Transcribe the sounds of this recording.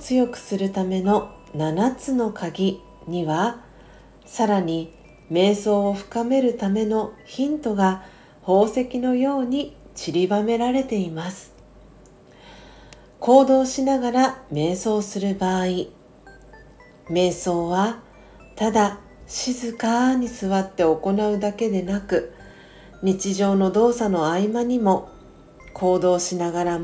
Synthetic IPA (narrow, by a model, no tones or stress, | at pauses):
t͡sɨjo̞kɯ̟̥sɨɾɯ̟t̪ame̞no̞ | nanat͡sɨno̞kaɡʲi | ɲ̟iβa | saɾaɲ̟i | me̞ːso̞ːɸɯ̟̥kame̞ɾɯ̟t̪ame̞no̞çĩnt̪o̞ɡa | ho̞ːse̞kʲino̞jo̞ːɲ̟it͡ɕiɾʲibame̞ɾaɾe̞t̪e̞imasɨ̥ | ko̞ːd̪o̞ːɕinaɡaɾame̞ːso̞ːsɨɾɯ̟baːi | me̞ːso̞ːβa | t̪ad̪a | ɕizɨkaɲ̟isɨβat̪ːe̞o̞ko̞naɯ̟d̪ake̞d̪e̞nakɯ̟ | ɲ̟it͡ɕiʑo̞ːno̞d̪o̞ːsano̞aimaɲ̟imo̞ | kʰo̞ːd̪o̞ːɕinaɡaɾa